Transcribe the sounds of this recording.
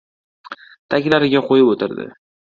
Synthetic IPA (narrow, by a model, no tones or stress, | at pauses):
t̪ʰakʲlaɾɪɡʲaqʰojɪpot̪ʰɪɾd̪ɪ̰